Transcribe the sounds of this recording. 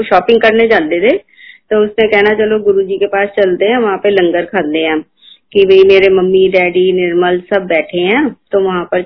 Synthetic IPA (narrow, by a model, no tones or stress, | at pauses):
ʃɔːpɪ̃ŋɡkəɾned͡ʒaːld̪ed̪eː | t̪oːʊsmẽkɛːnat͡ʃəloɡʊɾud͡ʒiːkepaːst͡ʃəld̪eɦɛ̃ːʋɐɦãːpelə̃ŋɡəɾkʰaːd̪d̪eɦɛ̃ː | kibʱəimeːɾeməmːiɖɛːɖiːnɪɾməlsəbːɛːʈʰeɦɛ̃ːt̪oːʋɐɦãpəɾ